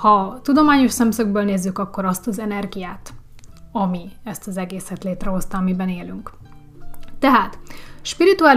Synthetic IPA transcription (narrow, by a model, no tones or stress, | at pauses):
hɒt̪ud̪o̞maːɲo̞ʃsɛmsøɡbøːlneːzːykɒkːo̞ɾɒst̪ɒzɛnɛrɡijaːt̪ | ɒmiɛst̪ɒzɛɡeːsɛt̪leːt̪rɛɦo̞st̪ɒːmibɛneːlyŋk | t̪ɛɦaːt̪ʃpiɾit̪uaːl